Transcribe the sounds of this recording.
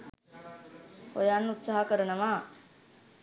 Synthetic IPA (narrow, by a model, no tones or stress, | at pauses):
ho̰janːut̪saɦakəɾənəʋaː